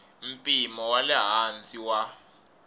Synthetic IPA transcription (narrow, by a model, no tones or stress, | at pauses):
m̩pʼimɔwalɛɦant͡sʼiwa